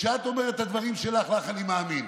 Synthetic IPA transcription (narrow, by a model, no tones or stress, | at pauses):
ʃeat̪o̞me̞ʁet̪had̪vaʁimʃe̞laχlaχanimaːmin